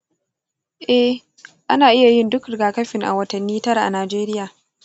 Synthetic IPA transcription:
ʔɛ˦ | ʔa˦naː˨ʔɪ˦ja˨jɪ˦ndʊ˦kɾɪ˨ɡaː˨kɐ˦ɸɪ˨ŋʔa̰˨wɐ˦tɐ˨nːiː˦tɐ˦ɾa˨ʔa̰˨naː˨d͡ʒeː˦ɾɪ˦jaː˨

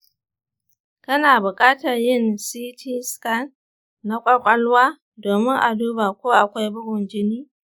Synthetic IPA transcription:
kɐ˦naː˨bʊ˨kʼaː˦tɐ˨rjɪ˦˨nsiː˦tʰiː˦ska˦nː | a˦kʷʼɐ˦kʷʼɐ˦lwaː˦ | doː˨mɪ˦ŋʔa˨duː˦ba˨kʷoː˦ʔa˨kʷa˦jbʊ˦ɡʊ˨nd͡ʒɪ˦niː˦

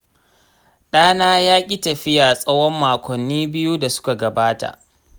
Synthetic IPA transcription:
ɗaː˦naː˦jaː˦kʲʼi˦tɐ˨ɸɪ˦jaː˨sʼɐ˦wɔ˦mːaː˨kʷɔ˨nːiː˦bɪ˦ju˦da˨sʊ̥˦ka˨ɡɐ˨baː˦ta̰˨ʔ

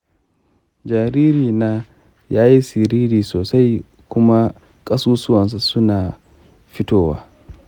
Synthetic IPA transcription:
d͡ʒaː˨ɾiː˦ɾiː˨naː˦ | jaː˦ji˦sɪ˨ɾiː˦ɾiː˨soː˨sa˦j | kʷʊ˦ma˦ | kʼɐ˦suː˦sʊ˦wɐ˨ns̬u˨sʊ˦naː˨ | ɸɪ˦toː˦˨wa̰ː˦

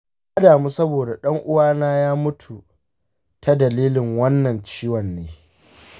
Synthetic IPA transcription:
jaː˦daː˨muː˦sɐ˦boː˨da˨ɗɐ˦ŋʔʊ˦waː˦naː˦jaː˦mʊ˦tʰu˨ | tʰa˦dɐ˨liː˦lɪ˨ŋwɐ˦nːɐ˨nt͡ʃiː˦wɐ˨nːeː˦

